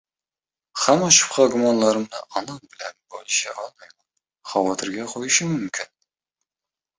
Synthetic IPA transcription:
χamɒʃɪ̥pqʰɑɡʲʊmɒnlˠaɾɪmnɪ̰ʔɒnɑnbɪla̰nbɒlʃa̰ʔɒlˠmajman | χɑvɒt̪ʰɪɾɡʲaqʰojɪʃɪmʊmkʰʲɪn

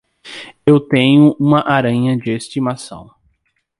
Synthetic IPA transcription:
ewt̪ẽɲʊʔũmɐʔaɾɐ̃ɲɐd͡ʒɪest͡ʃimasɐ̰̃w̃

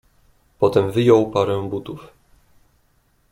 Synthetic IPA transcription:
pɔt̪ɛmvɘjɔwpaɾɛw̃but̪uf

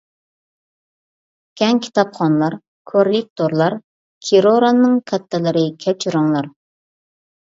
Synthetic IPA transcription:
kʲɛŋkʲʰi̥t̪ɑpχɑnlˠɑɾ | kʰoɾlɪk̚t̪ʰoɾlˠɑɾ | kʲʰiɾoɾɑnːɨŋkʰɛt̪ʰːɨlˠɨɾɨkʲʰɛpt͡ʃʰiɾuŋlˠɑɾ

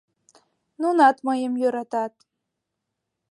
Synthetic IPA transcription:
nunɑt̪məjəmjøɾɑt̪ɑt̪

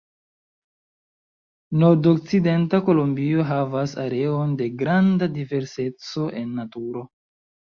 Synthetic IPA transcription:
no̞ɾdok̚t͡side̞ntako̞lombio̞ɦavasaɾe̞onde̞ɡɾandadive̞ɾse̞t͡so̞ʔe̞nːatuɾo̞

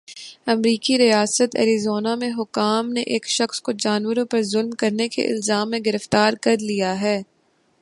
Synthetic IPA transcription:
ɐmɾiːkiɾijaːsət̪ɛ̰ːɾizoːnamẽɦʊkːaːmneʔeːkʃɐxskod͡ʒaːnwəɾõpɐɾzʊlmkɐɾnekḛʔɪ̰lzaːmːẽɡɪɾəft̪aːɾkɐɾlijaɦɛː

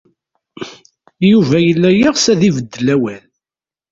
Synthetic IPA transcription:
juvæjəlːæjiʁsæðivəd̪ːəlæwæl

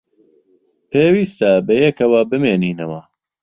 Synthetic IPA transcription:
pʰeːwiːst̪ɐbɐjɛkɐwɐbɨmeːniːnɐwɐ

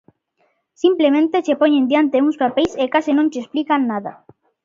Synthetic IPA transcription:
simplemẽnt̪et͡ʃepoɲẽnd̪jant̪euŋspapejsekasɪnõŋt͡ʃesplikanːaða̰

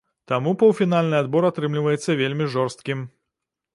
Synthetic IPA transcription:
t̪amupɐwfʲinalʲnɨad̪̚bɔɾat̪ɾɨmlʲivɐjɛt̪sːɐvʲelʲmʲiʐɔrst̪kʲim

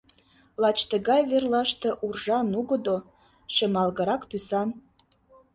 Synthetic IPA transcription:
lɑt͡ɕt̪əɣɑjβerlɑʃt̪ĕʔurʒɑnuɣə̆d̪o | ʃəmɑlɣəɾɑkt̪ysɑn

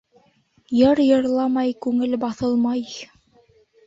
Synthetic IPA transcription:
jɤɾjɤ̆ɾlˠɑmɑjkʉŋɘlbɑθɤlˠmɑj

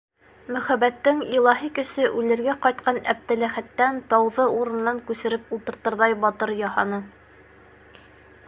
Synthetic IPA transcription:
mɵ̆χæbæt̪ːɘŋilˠɑɦikɵ̆ʃɘʔʉlɘ̆ɾɡæqɑjt̪̚qɑnæp̚t̪ɘ̆læχæt̪ːænt̪ɑwðɤuɾɤ̆nːɑŋkʉsɘ̆ɾɘpulˠt̪ɤ̆ɾt̪ɤ̆ɾðɑjbɑt̪ɤɾjɑhɑnɤ

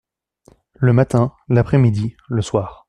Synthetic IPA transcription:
ləmat̪ɛ̃lapχɛmid̪i | ləswaːʁ

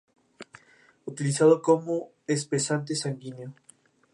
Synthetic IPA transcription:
ut̪ilisaðokomo | es̬pesant̪esaŋɡinjo

